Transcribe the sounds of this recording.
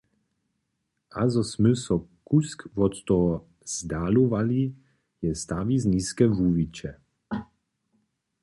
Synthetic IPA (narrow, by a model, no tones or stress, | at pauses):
ʔazɔsmʉsɔkuskvɔt̪t̪ɔ | z̥d̪aːluvali | jɛst̪avizniːskɛvuːvit͡ʃɛ